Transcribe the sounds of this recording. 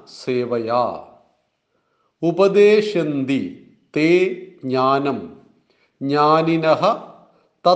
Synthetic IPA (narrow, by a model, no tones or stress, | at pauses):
seːʋɐja̰ː | upɐd̪eːʃɐnd̪i | t̪eːɡɲaːnɐm | ɲaːninɐɦɐ̆ | t̪ɐ